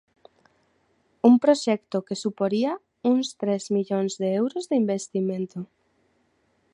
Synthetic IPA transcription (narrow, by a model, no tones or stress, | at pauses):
umpɾoʃɛkt̪ʊkesupoɾia | uŋst̪ɾɛzmiʎoŋzðeɛwɾʊzðeimbest̪imẽnt̪ʊ